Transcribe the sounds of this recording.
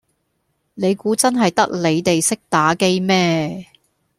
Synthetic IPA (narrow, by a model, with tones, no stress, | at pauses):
ne˨˧jkuː˨˥t͡sɐ˥nɦɐ˨jt̪ɐ˥k̚le˨˧jt̪e˨jsɪ˥k̚t̪aː˨˥ke˥jmɛː˥